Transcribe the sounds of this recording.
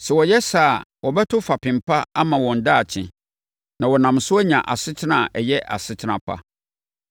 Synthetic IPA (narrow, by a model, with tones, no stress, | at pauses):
sɛ˨wɔ˨jɛ˦saː˦˨wɔ˨bɛ˦tʰʊ˦fa˨pʰɪ̃˨mpʰa˦a˦mã˨wɔ̃˨n̩˨da˦˨t͡ɕʰɪ̰̃˨ | nã˨wɔ˨nã˨msʊ˦ɛ˦ɲã̰˨ʔa̰˨sɪ˦tʰɪ˦nã˨ʔɛ˨jɛ˦ʔa̰˨sɪ˦tʰɪ˦nã˨pʰa̰˦